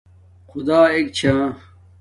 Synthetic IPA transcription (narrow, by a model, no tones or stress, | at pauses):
xud̪aːekt͡ɕʰãː